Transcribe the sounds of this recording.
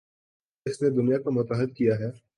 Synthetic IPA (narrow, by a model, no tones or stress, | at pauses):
ɪsned̪ʊnijakomʊt̪aɦəd̪̚kijaɦɛː